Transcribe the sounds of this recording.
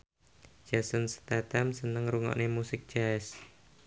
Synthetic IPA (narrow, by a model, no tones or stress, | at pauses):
d͡ʒasənst̪at̪amsənəŋruŋɔ̰ʔnemusɪk̚t͡ʃaɛs